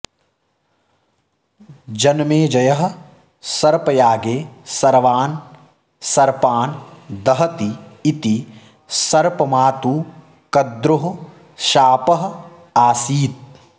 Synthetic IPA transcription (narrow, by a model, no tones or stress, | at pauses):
d͡ʒɐnmeːd͡ʒɐjɐɦɐ̆ | sɐɾpɐjaːɡeːsɐɾʋaːn | sɐɾpaːnd̪ɐɦɐt̪iːt̪i | sɐɾpɐmaːt̪uː | kɐd̪ɾuɦ | ʃaːpɐɦɐ̆ | aːsiːt̪̚